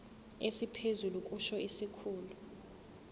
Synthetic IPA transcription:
esipʰezulukʼuʃɔisikʰuːlu

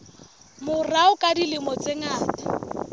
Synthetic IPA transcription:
mʊraʊkʼadilɪmɔt͡sɪŋaːtḁ

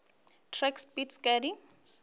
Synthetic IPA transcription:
tʰrɛkspitskʼadi

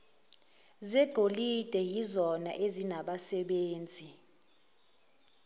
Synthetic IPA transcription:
zɛɡ̥ʱolid̥ʱɛjizɔna̰ʔezinaɓasɛɓeːnd͡zʱi

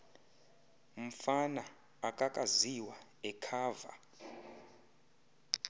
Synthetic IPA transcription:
m̩fana | akʼakʼaziwaɛkʰaːva̰

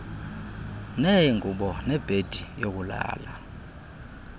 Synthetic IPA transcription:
nɛŋʱuɓɔnɛb̥ʱed̥ʱijok̬ula̰ːla

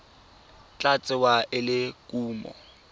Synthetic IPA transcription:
t͡ɬʼat͡sʼɪwaʔɪlɪkʼuːmɔ̰

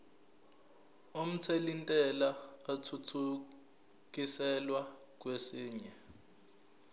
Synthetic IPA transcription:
om̩t͡sʰelintʼɛlaːtʰutʰu | k̬ʼisɛlwa | k̬wesiːɲɛ

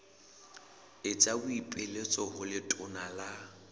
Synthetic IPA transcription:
ɪt͡sʼabʊipʼelet͡sʼɔɦʊlɪtʼʊnala

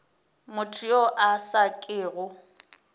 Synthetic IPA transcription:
mʊtʰʼioʔasakʼɪːɣʊ

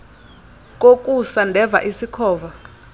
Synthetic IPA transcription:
k̬ʼok̬ʼusandʱɛva̰ʔisikʰɔːva

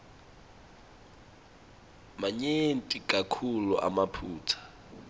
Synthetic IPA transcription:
maɲentʼikʼakʰuluʔa̰mapʰuːtʰḁ

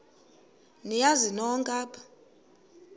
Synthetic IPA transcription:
nijazinɔŋkʼaːpʰʼḁ

